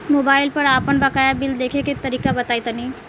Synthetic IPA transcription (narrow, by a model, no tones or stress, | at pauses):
mobaːɪlpəɾaːpənbəkajabild̪ekʰeket̪əɾiːkabət̪ajt̪əni